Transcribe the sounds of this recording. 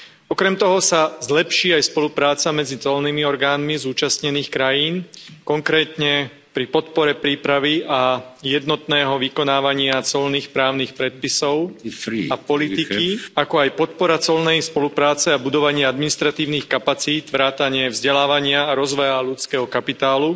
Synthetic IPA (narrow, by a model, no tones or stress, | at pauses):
ɔkɾɛmt̪ɔɦɔsazlɛpʃiːajspɔlupɾaːt͡samɛd͡zit͡sɔlnimiɔɾɡaːnmizuːt͡ʃast̪ɲɛniːxkɾajiːnkɔŋkɾɛːt̪ɲɛ | pɾipɔt̪pɔɾɛpɾiːpɾaʋiʔajɛd̪nɔt̪nɛːɦɔʋikɔnaːʋaɲɪat͡sɔlniːxpɾaːʊniːxpɾɛt̪̚pisɔʊapɔliikiakɔajpɔt̪̚pɔɾat͡sɔlnɛjspɔlupɾaːt͡sɛabud̪ɔʋaɲɪɛad̪minist̪ɾat̪iːʊnixkapat͡siːt̪ʋɾaːt̪aɲɪɛvzɟɛlaːʋaɲɪaːɾɔzʋɔjalut͡skɛːɦɔkapit̪aːlu